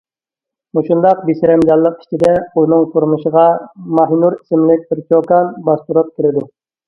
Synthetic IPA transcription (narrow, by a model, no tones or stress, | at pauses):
muʃund̪ɑqbisɾɛmd͡ʒɑlˠːəqi̥t͡ʃʰid̪ɛunɨŋt̪ʰuɾmuʃəʁɑmɑɦnuɾisɪmlɪk̚ʲbɪɾkʲʰokɑnbɑst̪uɾup̚kʲʰiɾɪd̪u